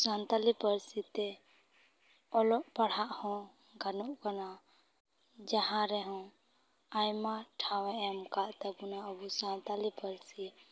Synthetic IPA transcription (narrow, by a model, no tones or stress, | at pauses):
sant̪alipəɾsit̪e | ɔlɔʔpəɽ̤aʔhɔ̃ | ɡʱanuʔkɔna | d͡ʒahãɾɛɦɔ̃ | ajmaʈʰaweɛmkaʔt̪əbunaəbusãnt̪alipəɾsi